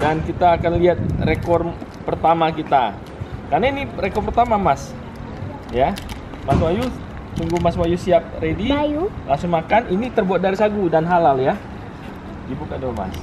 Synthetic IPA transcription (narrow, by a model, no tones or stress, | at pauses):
dankit̪aːkanliat̪̚rekɔrpərt̪amakit̪a | karnainirekɔrpərt̪amamas | ja | maswaju | t̪uŋɡumaswajusiap̚redijulaŋsoŋmakaninit̪ərbuat̪̚daɾisaɡudanɦalalja | dibukadoma̰s